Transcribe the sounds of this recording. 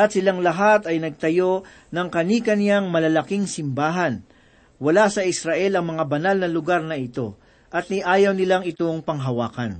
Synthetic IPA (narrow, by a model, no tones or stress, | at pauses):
ʔɐt̪̚sɪlaŋlɐɦat̪ɐjnɐɡ̚t̪ɐjo̞ | nɐŋkɐniːkɐnɪaŋmɐlɐlɐkiŋsɪmbaːɦɐn | wɐlasɐʔɪsɾɐʔɛlɐŋmɐŋabɐnalnɐlʊɡaɾnɐɪt̪o̞ | ʔɐt̪̚nɪʔaːjɐwnɪlaŋɪt̪o̞ŋpɐŋɦɐwa̰ːkɐ̰n